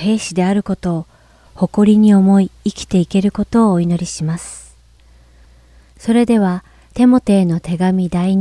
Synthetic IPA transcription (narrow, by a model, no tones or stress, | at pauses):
he̞ːɕid̪e̞aɾɯ̟ko̞t̪o̞ː | ho̞ko̞ɾʲiɲ̟io̞mo̞iːkʲi̥t̪e̞ike̞ɾɯ̟ko̞t̪o̞ːino̞ɾʲiɕimasɨ̥ | so̞ɾe̞d̪e̞β̞a | t̪e̞mo̞t̪e̞ːno̞t̪e̞ɡamʲid̪aiɲ